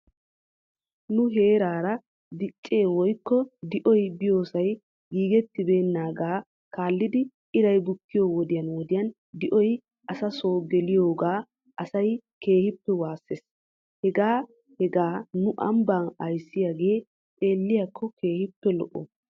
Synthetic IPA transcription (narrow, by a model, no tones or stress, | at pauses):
nʊɦe̞ːɾaːɾɐ | d̪ɪt͡ʃʼːeːwɔjkːɔd̪ɪʔɔjbɪjo̞ːsɐj | ɡiːɡɛt̪ːɪbe̞ːnːaːɡaː | kaːlːɪd̪ɪ | ɪɾɐjbʊkːɪjowɔd̪ɪjɐnwɔd̪ɪjɐn | d̪ɪʔɔj | ɐsɐsoːɡɛlɪjo̞ːɡaː | ʔɐsɐjke̞ːhɪpːɛwaːsːes | hɛɡaː | hɛɡaːnʊʔɐ̰mbaːnɐjsːɪjaːɡe̞ː | t̪ʼe̞ːlːɪjakʰːɔkʰe̞ːhɪpːɛlɔ̰ʔɔ̰